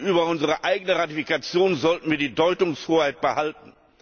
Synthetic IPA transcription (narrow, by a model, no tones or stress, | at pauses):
ʔyːbɐʊnzəʁəʔaɪɡənəʁatifikat͡sjoːnzɔltn̩viːɐdiːdɔʏtʊŋshoːɐhaɪt̚b̥əhaltn̩